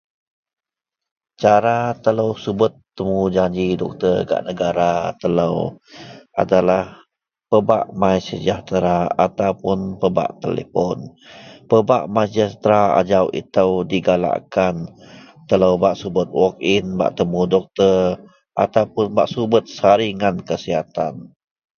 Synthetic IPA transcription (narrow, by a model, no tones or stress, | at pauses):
t͡ʃaɾat̪ələwsubət̪ːəmud͡ʒaɲd͡ʒidɔk̚t̪ərɡa̰ʔnəɡaɾat̪ələw | ʔa̰dalah | pəbaʔmajsəd͡ʒaht̪ɾaat̪awpʊnpəba̰ʔt̪ḛlḛfɔnpəbaʔmajd͡ʒast̪ɾaa̰d͡ʒawʔḭt̪əwdiɡala̰ʔkan | t̪ələwbaʔsubət̪̚wɔk̚inba̰ʔt̪əmudɔk̚t̪ər | ʔat̪awpʊnbaʔsubət̪̚saɾiŋankəsiɦat̪an